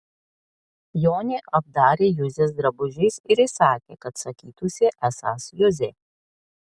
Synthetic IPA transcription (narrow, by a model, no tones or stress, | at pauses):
joːnʲeːʔɐb̚d̪ɑːɾʲeːjʊzʲeːs̬d̪ɾɐbʊʒʲɛɪsɪɾɪsɑːkʲḛːkɐt̪sɐkʲiːt̪ʊsʲeʔæsɑ̰ːsjʊzʲeː